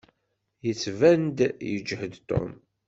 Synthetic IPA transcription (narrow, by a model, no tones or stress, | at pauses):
jət͡sːvænd̪jə̰d͡ʒhəd̪t̪o̰m